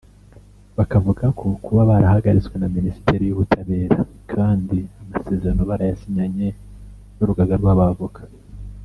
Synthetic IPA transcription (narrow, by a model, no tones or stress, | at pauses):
βakavuɡakʰokuβaβaɾahaɡaɾit͡swe̞naminisi̥tʰe̞ɾijuβutʰaβe̞ːɾa | kʰaːndiamase̞ːze̞ɾano̞βaɾajasiɲaɲe̞ | noɾuɡaɡaɾɡwaβavukʰḁ